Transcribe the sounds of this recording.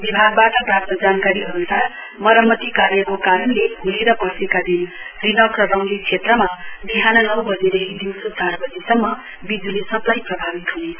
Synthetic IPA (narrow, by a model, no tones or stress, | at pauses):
bibʱaɡ̚baʈʌprap̚t̪ʌd͡zankaɾiɦʌɾut̪a | mʌɾʌmːʌt̪ikaɾjʌkokaɾʌnlebʱuliɾʌpʌsekad̪inrinʌkrʌɾʌw̃d̪it͡sʰet̪rʌmabiɦanʌnʌwbʌd͡ziɾʌɦid̪iwsusarbʌd͡zisʌmːʌ | bid͡zulesʌplajprʌbʱabit̪ɦune